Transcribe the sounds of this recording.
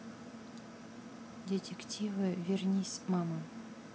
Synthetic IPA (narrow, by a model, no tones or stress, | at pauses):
dʲetʲektʲivɨvʲernʲisʲmɑmə